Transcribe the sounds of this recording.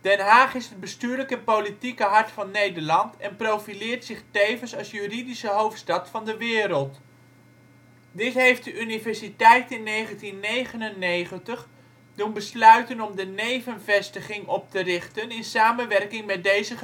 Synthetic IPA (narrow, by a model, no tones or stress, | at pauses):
d̥ɛnɦaːχɪsɦəd̚bəstyːləkənpowlitikəɦɑɹtfɑnːejdəɹlɑntɛnprowfilɪːɹtsɪχtejvənsɑlˠsjyridisəɦowftstɑtfɑndəʋɪːɾəlˠt | dɪtɦejft̚dəʔynivɛɹsitɛjtɪnːejχəntinːejχənənːejχəntəχ | dunbəslœɥtənɔmdənejvənvɛstəχɪŋɔp̚tərɪχtənɪnsaːmənʋɛrkɪŋmɛt̚dejzə